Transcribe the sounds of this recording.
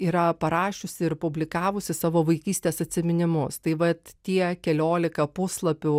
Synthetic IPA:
iːɾɐpɐɾɑːʃʲʊsʲɪɪrpʊbʲlʲɪkɑːʋʊsʲɪsɑːʋoːʋɐɪkʲiːsʲt̪ʲeːsɐt̪ʲsʲɪmʲɪnʲɪmʊst̪ɐɪʋɐt̪t̪ʲiɛkʲɛlʲoːlʲɪkɐpʊslˠɐpʲʊ

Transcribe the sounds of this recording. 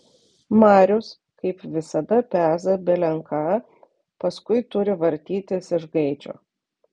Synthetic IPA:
mɑːɾʲʊs | kɐɪpʋʲɪsɐd̪ɐpʲæːzɐbʲɛlʲɛŋkɑː | pɐskʊɪt̪ʊɾʲɪʋɐɾʲt̪ʲiːt̪ʲɪsɪʒɡɐɪd͡ʒʲo̰ː

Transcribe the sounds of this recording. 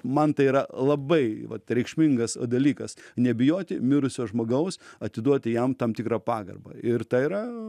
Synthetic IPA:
mɐnt̪ɐɪiːɾɐlˠɐbɐɪʋɐt̪ɾʲɛɪkʃʲmʲɪŋɡɐsd̪ɐlʲiːkɐsnʲɛbʲɪjoːt̪ʲɪmʲɪɾʊsʲoːʒmoːɡɐʊsɐt̪ʲɪd̪uɔt̪ʲɪjɛmt̪ɐmt̪ʲɪkɾɑːpɑːɡɐ̰rbɐ̰ɪrt̪ɐiɾɐ

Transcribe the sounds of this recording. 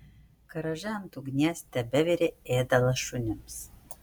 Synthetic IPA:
kɤ̆ɾɤ̆ʒæmt̪uɡnʲæsʲt̪æbɘ̆βeɾʲeed̪ɑlˠɤ̆ʃunʲɘ̆ms

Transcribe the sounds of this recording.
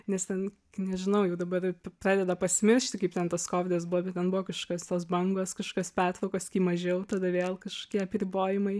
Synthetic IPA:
nʲɛst̪ʲɛnkknʲɛʒʲɪnɐʊjɛʊd̪ɐbɐrppɾɑːdʲɛd̪ɐpɐsʲɪmʲɪɾʲʃʲt̪ʲɪkɐɪpt̪ʲɛnt̪ɐskoːʋʲɪd̪ɐsbʊʋɔbʲɛt̪̚ʲtʲɛnbʊʋɔkɐʃokʲost̪oːsbɐŋɡoːskɐʃko̥kʲospʲæːrt̪ʋɐʊkoːskʲiːmɐʒʲɛʊt̪ɐd̪ɐʋʲeːlˠkɐʃko̥ːkʲiɛɐpʲɾʲɪboːjɪmɐɪ

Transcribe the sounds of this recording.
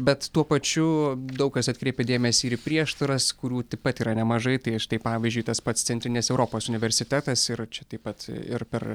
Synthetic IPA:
bʲɛt̪t̪uɔpɐt͡ʃʲʊd̪ɐʊkɐsɐt̪̚ʲkɾʲeɪpʲɛd̪ʲeːmʲɛsʲiːɾipʲɾʲiɛʃt̪ɐɾɐskʊɾʲuːt̪ɐɪppɐt̪iːɾɐnʲɛmɐʒɐɪt̪ɐɪɐʃt̪ɐɪpɑːʋʲizʲd͡ʒʲʊɪt̪ɐspɐt̪st̪sʲɛnʲt̪ʲɾʲɪnʲɛsɛʊɾoːpoːsʊnʲɪʋʲɛɾʲsʲɪt̪ʲæːt̪ɐsɪɾt͡ʃʲɛt̪ɐɪpɐt̪ɪ̰ɾpʲɛr

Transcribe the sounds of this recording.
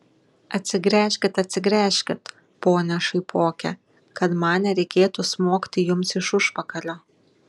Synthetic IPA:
ɐt̪ʲsʲɪɡɾʲæːʃʲkʲɪt̪ɐt̪ʲsʲɪɡɾʲæːʃʲkʲɪt̪ | poːnʲɛʃɐɪpʰoːkʲɛ̰ | kɐt̪mɑːnʲɛɾʲɛɪkʲeːt̪usmoːkʲt̪ʲɪjʊmsɪʃʊʃpɐkɐlʲoː

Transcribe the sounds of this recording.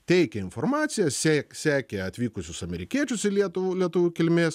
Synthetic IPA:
t̪ʲɛɪkʲɛɪnfoːrmɑːt̪sʲɪjɛsʲæːksʲæːkʲeɐt̪ʲʋʲiːkʊsʲʊsɐmʲɛɾʲɪkʲiɛt͡ʃʲʊsɪlʲiɛt̪ʊʋulʲiɛt̪uʋʲukʲɪlʲmʲeːs

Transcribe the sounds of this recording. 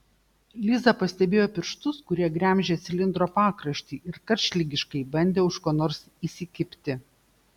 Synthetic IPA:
lʲɪzɐpɐsʲt̪ʲɛbʲeːjoːpʲɪɾʃt̪ʊskʊɾʲiɛɡɾʲæˑmʲʒʲɛsʲɪlʲɪnd̪ɾoːpɑːkɾɐʃʲt̪ʲiːʔɪɾkɐɾʲʃʲlʲɪɡʲɪʃkɐɪbɐnʲd̪ʲeːʊʃkoːnoːɾs | iːsʲɪkʲɪpʲt̪ʲɪ

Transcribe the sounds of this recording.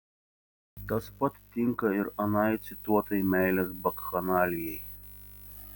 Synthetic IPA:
t̪ɐspɐt̪ːʲɪŋkɐɪɾɐnɑjt̪sʲɪt̪uɔt̪ɐjmʲæɪlʲɛsbɐkxɐnɑːlʲɪjɛj

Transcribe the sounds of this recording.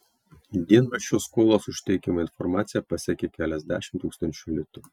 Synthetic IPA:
d̪ʲiɛnʋɐʃʲoːskoːlˠoːsʊʃʲt̪ʲɛɪkʲɪmoɪnfɔɾmɑːt̪sʲɪjɛpɐsʲɛkʲekʲæːlʲɛzʲd̪ʲæ̰ːʃʲɪmt̪uːkst̪ɐnʲt͡ʃʲʊlʲɪt̪ʊ

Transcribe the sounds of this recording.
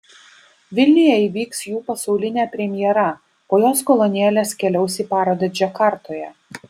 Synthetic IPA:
ʋʲɪlʲnʲɪjɛiʋʲiːksjuːpɐsɐʊlʲɪnʲæːpʲɾʲɛmʲɪjɛɾɐ | oːjoːskɔlˠɔnʲɛːlʲeːskʲɛlʲɛʊsʲiːpɑːɾoːd̪ʲɐd͡ʒʲɛkɐɾt̪oːjɛ

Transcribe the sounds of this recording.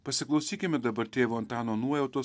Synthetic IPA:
pɐsʲɪklˠɐʊsʲiːkʲɪmʲɛd̪ɐbɐɾt̪ʲeːʋoːɔnt̪ɑːnoːnuɔjɛʊt̪oː

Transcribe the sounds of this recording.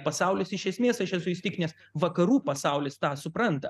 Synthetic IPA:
pɐsɑʊlʲɪsɪʃʲɛsʲmʲeːsɐʃɛsʊɪst̪ʲɪknʲɛs | ʋɐkɐɾuːpɐsɑʊlʲɪst̪ɑːsʊpɾɐnt̪ɐ

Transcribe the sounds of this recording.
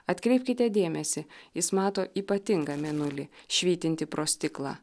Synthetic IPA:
ɐt̪ʲkɾʲɛɪpʲkʲɪt̪ʲɛd̪ʲeːmʲɛsʲɪjɪsmɑːt̪oːʔiːpɐt̪ʲɪŋɡɑːmʲɛnʊlʲɪʃʲʋʲiːt̪ʲɪnʲt̪ʲɪpɾoːsʲt̪ʲɪklˠɑ̰ː

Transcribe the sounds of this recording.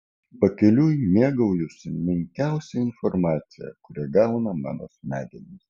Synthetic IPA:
pɐkʲɛlʲuːjnʲiɛɡɐʊjʊsʲɪmʲɪŋʲkʲæˑʊsʲɛɪnfɔɾmɑːt̪sʲɪjɛ̰kʊɾʲɛɡɑˑʊnɐmɑ̰ːno̰ːsmʲæːd̪ʲɛnʲɪs

